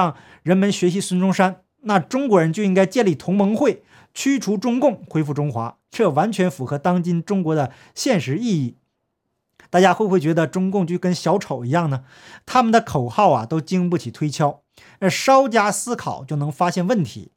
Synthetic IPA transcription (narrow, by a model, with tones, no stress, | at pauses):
ɑ˥˩ŋ | ɻə˧˥nmə˧nɕɥɛ˧˥ɕi˧˥swə˥nʈ͡ʂʊ˥ŋʂa˥n | na˥˩ʈ͡ʂʊ˥ŋkwɔ˧˥ɻə˧˥nt͡ɕjo˥˧ʊi˥ŋka˥ɪt͡ɕjɛ˥˧nli˥˩t̪ʰʊ˧˥ŋmɤ˧˥ŋxwe˥˩ɪ | t͡ɕʰy˥ʈ͡ʂʰu˧˥ʈ͡ʂʊ˥ŋkʊ˥˩ŋxwe˥ɪfu˥˩ʈ͡ʂʊ˥ŋxwa̰˧˥ | ʈ͡ʂɤ˥˩wa˧˥nt͡ɕʰɥɛ˧˥nfu˧˥xɤ˧˥t̪ɑ˥ŋt͡ɕi˥nʈ͡ʂʊ˥ŋkwɔ˧˥d̪ə˧ | ɕjɛ˥˩nʂɻ̩˧˥i˥˧i˥˩ | t̪a˥˩t͡ɕja˥xwe˥˧ɪxwe˥˩ɪt͡ɕɥɛ˧˥d̪ə˧ʈ͡ʂʊ˥ŋkʊ˥˧ŋt͡ɕy˥˩kə˥nɕjɑ˧˥ʊʈ͡ʂʰo˨˩ʊi˧˥jɑ˥˩ŋnə˩ | t̪ʰa˥mə˨nd̪ə˩kʰo˨˩ʊxɑ˥˩ʊɐ̰˩t̪o˥ʊt͡ɕi˥ŋpu˥˩t͡ɕʰi˨˩t̪ʰwe˥ɪt͡ɕʰjɑ˥ʊ | ə˞˧˥ʂɑ˥ʊt͡ɕja˥sɹ̩˥kʰɑ̰˨˩ʊt͡ɕjo˥˩ʊnɤ˧˥ŋfa˥ɕjɛ˥˧nwə˥˩nt̪ʰḭ˧˥